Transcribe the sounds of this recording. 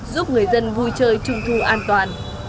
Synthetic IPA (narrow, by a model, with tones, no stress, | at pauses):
zu˦˥p̚ŋɨ˨˩əjzə˧nvu˧jt͡ɕəː˧jt͡ɕʊ˧ŋ͡mt̪ʰu˧ʔaː˧nt̪waː˨˩n